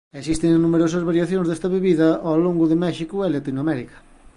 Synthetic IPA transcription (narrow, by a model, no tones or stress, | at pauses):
esist̪ɪŋnumeɾosɐzβaɾjaθjõnzðest̪ɐβeβiðɐʔaloŋɡʊðemɛʃikʊɛlat̪inoamɛɾikɐ̥